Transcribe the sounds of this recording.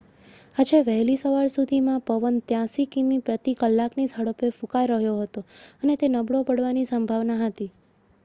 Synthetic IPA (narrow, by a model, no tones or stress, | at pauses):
ad͡ʒeʋəɦlisəʋaɾsud̪ʱimãpəʋənt̪jãsikimipɾət̪ikəlːaknisəɽəpefũkajɾəɦjoɦət̪oənet̪enəbɽopəɽʋanisəmbʱaʋnaɦət̪i